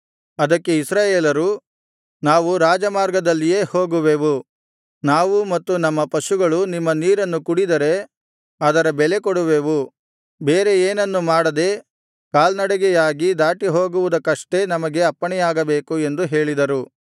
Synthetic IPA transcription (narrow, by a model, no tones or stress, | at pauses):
ɐd̪ɐkːe̞isɾaːjeːlɐɾu | naːʋuɾaːd͡ʒɐmaːɾɡɐd̪ɐlːije̞ːhoːɡuʋeːʋu | naːʋumɐt̪ːunɐmːɐpɐʃuɡɐɭunimːɐniːɾɐnːukuɽid̪ɐɾe̞ | ɐd̪ɐɾɐbɛle̞koɽuʋeːʋu | beːɾe̞eːnɐnːumaːɽɐd̪e̞ | kaːlnɐɽɛɡɛjaːɡid̪aːʈiɦo̞ːɡuʋud̪ɐkːɐʂʈe̞nɐmɐɡe̞ɐpːɐɳɛjaːɡɐbe̞ːkue̞nd̪uɦe̞ːɭid̪ɐɾu